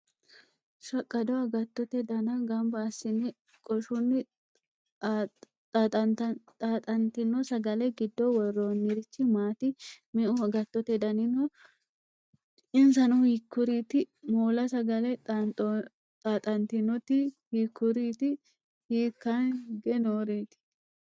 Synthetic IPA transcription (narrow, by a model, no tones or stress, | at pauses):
ʃɐkʼːɐd̪ɔɐɡɐt̪ːɔt̪ɛd̪ɐnɐɡɐmbɐːsːɪnɪ | kʼɔʃʊnːɪ | t̪ɐt̪ʼaːt̪ʼɐnt̪ɪnːɔsɐɡɐlɛɡɪd̪ːɔwɔrːoːnːɪɾɪt͡ʃːɪmaːt̪ɪmɛʔʊɐɡɐt̪ːɔt̪ɛd̪ɐnɪnɔ | ɪnsɐnɔhikːʊɾiːt̪ɪmoːlɐsɐɡɐlɛtɔ | t̪ʼaːt̪ʼɐnt̪ɪnɔt̪ɪhikːʊɾiːt̪ɪ | hiːkːɐnɡɛnoːɾeːt̪ɪ̥